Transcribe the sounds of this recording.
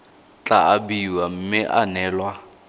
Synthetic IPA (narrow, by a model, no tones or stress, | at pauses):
t͡ɬʼaabiwam̩mɪʔa̰nɛːlwa